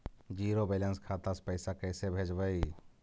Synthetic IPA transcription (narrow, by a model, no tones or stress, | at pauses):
d͡ʒiːɾobelənskʰaːt̪ase̥pəɪsakəɪsebʱeːd͡ʒbəi